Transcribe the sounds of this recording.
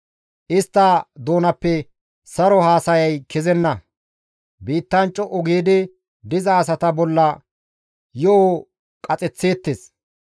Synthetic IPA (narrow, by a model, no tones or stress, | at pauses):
ʔɪst̪ːɐd̪o̞ːnɐpːɛ | sɐɾɔhaːsɐjɐjkɪzɛnːɐ | biːt̪ːɐnt͡ʃʼːɔʔɔɡeːd̪ɪ | d̪ɪzɐːs̬ɐt̪ɐbɔlːɐ | jɔʔo | kʼɐt͡sʼɛt͡sːe̞ːt̪ːes